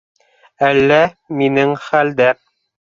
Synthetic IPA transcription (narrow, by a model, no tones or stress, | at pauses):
ælːæ | minɘŋχæld̪æ